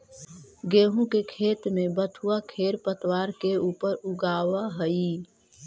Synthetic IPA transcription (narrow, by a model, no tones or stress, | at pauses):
ɡeːɦũkekʰeːt̪mẽbət̪ʰuakʰeːɾpət̪waːɾkeuːpəɾʊɡaːʋaɦəi